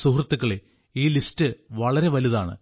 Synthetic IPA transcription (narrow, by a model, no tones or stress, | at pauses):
suɦrɐt̪ːukːɐɭe | iːlistɨʋɐɭɐɾe̞ʋɐluða̰ːɳɨ̰